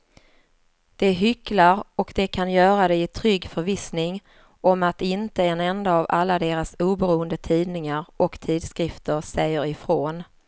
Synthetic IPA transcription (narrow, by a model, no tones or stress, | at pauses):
d̪̥ɛɦʏklaɾɔkd̪̥ɛkʰanjœːɾad̪ɛɪt̪ʰɾʏɡːfœɾvɪsnɪŋ | ɔmat̪ɪnt̪əɛnɛnd̪aːva̰lːad̪eːɾasuːbɛɾuːənd̪ət̪ʰiːd̪nɪŋaɾʔɔkt̪ʰiːd̪skɾɪft̪əɾsɛjːəɾɪfɾoːn